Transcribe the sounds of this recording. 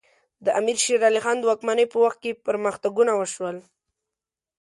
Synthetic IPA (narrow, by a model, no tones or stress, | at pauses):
d̪əʔamiɾʃeɾɑlixɑnd̪əwɑkmanəjpəwaxt̪̚kepəɾməxt̪aɡunawəʃwəl